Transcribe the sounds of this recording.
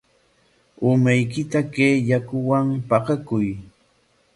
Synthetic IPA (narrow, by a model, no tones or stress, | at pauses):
ʊmajkɪt̪akeːjakʊwampɑqɑkʊj